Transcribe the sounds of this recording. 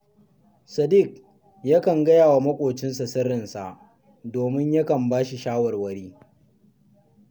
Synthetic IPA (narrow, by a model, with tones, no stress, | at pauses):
sɐ˨dɪ˦˨k̚ | ja˦kɐ˨ŋɡɐ˦jaː˨wa˨mɐ˦kʷʼoː˨t͡ʃɪ˦nsɐ˨sɐ˦ɾɪ˨nsa˨ʔ | doː˨mɪ˦ɲjɐ˦kɐ˨mbaː˦ʃi˨ʃaː˦wɐ˨rwɐ˦ɽiː˦